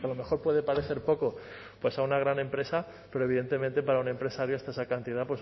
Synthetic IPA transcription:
kealo̞me̞xo̞ɾpwe̞ðe̞paɾe̞θe̞ɾpo̞ko̞ | pwe̞saunaɣ̞ɾanẽ̞mpɾe̞sa | pe̞ɾoeβiðe̞nt̪e̞ment̪e̞paɾaune̞mpɾe̞saɾjoast̪aesakant̪iðapwe̞s

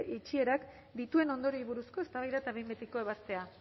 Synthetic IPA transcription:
it͡ʃie̞ɾak | d̪it̪ue̞no̞nd̪o̞ɾiβuɾusko̞e̞st̪aβajðat̪aβejmbet̪ikoe̞βast̪e̞a

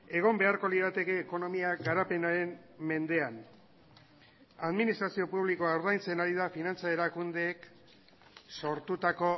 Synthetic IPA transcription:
e̞ɣ̞o̞mbe̞aɾko̞liðat̪e̞ke̞ːko̞no̞miaɡaɾape̞naɾe̞mme̞nd̪e̞an | aðminist̪ɾasio̞puβliko̞awɾðajnt͡se̞naɾiðafinant͡sae̞ɾakund̪e̞ːk | so̞ɾt̪ut̪ako̞

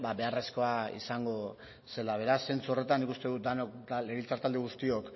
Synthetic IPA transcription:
baβe̞are̞sko̞aḭsaŋɡo̞ | se̞laβ̞e̞ɾasːe̞nt͡suo̞re̞t̪anːikust̪e̞ðut̪̚d̪anokd̪aleɣilt͡saɾt̪ald̪eɣust̪io̞k

